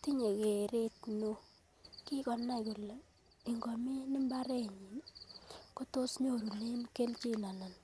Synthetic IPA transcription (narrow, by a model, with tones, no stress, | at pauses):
ti˦ɲe˨ke˨ɾe˦tno˦ | ki˦kɔ˨nːa˦ku˨le˨ | i˨ŋɡɔ˨me˦nɪ˦mba˦ɾe˦ɲi˨n | ko˦to˦sɲo˦˨ɾu˨ne˦nke˦lt͡ʃi˦na˨na˨n